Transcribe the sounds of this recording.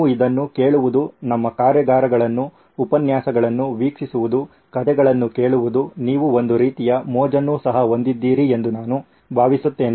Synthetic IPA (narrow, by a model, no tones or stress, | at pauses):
uid̪ɐnːuke̞ːɭuʋud̪unɐmːɐkaːɾjɐɡaːɾɐɡɐɭɐnːuː | pɐnjaːsɐɡɐɭɐnːuʋiːkʂisuʋud̪u | kɐt̪ɛɡɐɭɐnːuke̞ːɭuʋud̪uniːʋuo̞nd̪uɾiːt̪ijɐmɔːd͡ʒɐnːusɐɦɐɦo̞nd̪id̪ːiːɾie̞nd̪unaːnu | bʱaːʋisut̪ːe̞ːni